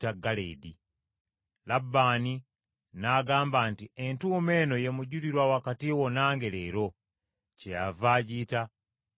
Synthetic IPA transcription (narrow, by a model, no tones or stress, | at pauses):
taɡalḛidi | labːaːni | naːɡaːmbantientuːme̞no̞je̞muɟuɾiɾwawakatiwo̞naːŋɡe̞leɾo̞ | cejavaːɟiːta